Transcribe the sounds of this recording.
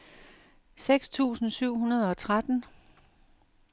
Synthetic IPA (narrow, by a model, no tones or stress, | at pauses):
seɡ̥st͡sʰṵːsn̩syʊ̰ɦunɐð̞ˠɒ̽t͡sʰʁad̥n̩